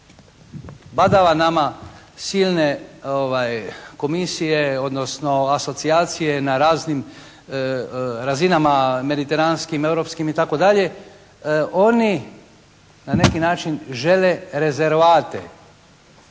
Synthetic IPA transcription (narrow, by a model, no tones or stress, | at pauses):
bad̪aʋanama | silˠneoʋajko̞misijeo̞d̪no̞sno̞aso̞t̪siaːt̪sije̞naɾaːznim | ɾazinamame̞d̪it̪e̞ɾanskime̞wɾopskimit̪ako̞d̪aʎe̞ | ʔo̞ni | nane̞kinaːt͡ʃinʒe̞leɾe̞zeɾʋaːt̪ḛ